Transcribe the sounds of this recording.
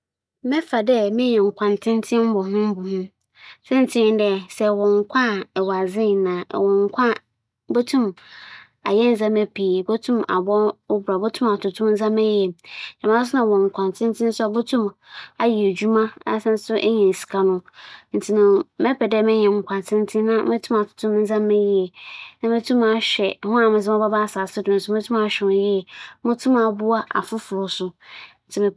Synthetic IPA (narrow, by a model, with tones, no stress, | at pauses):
mɛ̃˦fa˨dɛ˦mɪ̃˦ɲɛ̃˨ŋ̩˨kʷʰã˨n˨tʰɪ̃˦n˦tʰɪ̃˦m˦bɔ˨ɦʊ̃˦m˦bɔ˨hʊ̃˦ | sɛ˦n̩˦tʰɪ̃˦dɛ˦sɛ˨wɔ̃˨ŋ̩˨kʷʰa˦˨ɛ˨wa˨zɪ̃˦˨nã̰˨wɔ̃˨ŋ˦kʰʷã˦ | bo˦tʰũ˦m | a̰˨jɛ˦n˦zã˦mɛ˦pʰi˨bo˦tʰũ˦ma̰˨bɔ˦ʊ˦bɾa˨bo˦tʰũ˦ma˨tʰʊ˨tʰʊ̃˦mn̩˦zã˦mɛ˦jɛ˨ɲã˨mã˦s̬ʊ˦nã˨wɔ̃˨ŋ̩˨kʷʰã˨ntʰɪ̃˦n˦tʰɪ̃˦n˦sʊ˦a˨bo˦tʰũ˦ma˨ji˨e˨d͡ʑu˦mã˦a̰˦sɛ̃˦n˦sʊ˦ʔɲɛ̃˨n˨si̥˨kʰa˨nʊ̃˦n̩˨tʰi˦nʊ̃˨mɛ˦pʰɛ˨dɛ˦˨mɪ̃˦ɲɛ̃˨ŋ̩˨kʷʰã˨n˨tʰɪ̃˦n̩˦tʰɪ̃˦nã˦mɪ̃˦tʰũ˦ma˨tʰʊ̥˨tʰʊ̃˦m˦n̩˦zã˦mɪ̃˦ji˦ɛ˨nã˦mɪ̃˦tʰũ˦ma˨ɕᶣɛ˨hʊ̃˦a˨mɪ̃˨zɪ˦ɔ˦ba˦ba˦˨saː˨sɪ˦dʊ̃˨n˨sʊ˦ẽ˦tʰũ˦ma˨ɕᶣɪ̃˨˦jɪ˦ɛ˨mʊ̃˦tʰũ˦ma˨bu˦a˦ʔa̰˨fʊ˦fʊ˨ɾʊ˨sʊ˨n̩˨tʰɪ˦mɪ̃˨